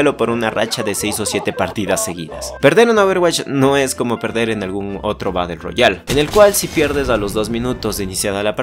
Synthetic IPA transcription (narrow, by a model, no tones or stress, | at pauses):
lo̞po̞ɾunara̰t͡ʃaðe̞sejso̞sje̞t̪e̞paɾt̪iðasːe̞ɣḭða̰spe̞ɾðe̞ɾenoβeɾɣwat͡ʃno̞esko̞mo̞pe̞ɾðe̞ɾenalɣuno̞t̪ɾo̞βaðe̞lro̞̰ʝalene̞lkwalsipje̞ɾðe̞s̬alo̞zðo̞zmĩnut̪o̞zeinisjaðalap